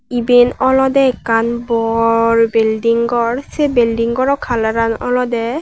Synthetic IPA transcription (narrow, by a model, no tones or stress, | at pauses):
ibenɔlɔdɛɛkanbɔɹbeldiŋɡɔɹsɛbeldiŋɡɔɹɔkʰalaɾanɔlɔdɛ